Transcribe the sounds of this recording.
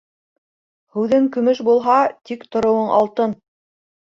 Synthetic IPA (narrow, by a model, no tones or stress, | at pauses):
hʉðɘŋkɵ̆mɵʃbulˠɦɑt̪ikt̪ŏɾŏwɤɴʔɑlˠt̪ɤn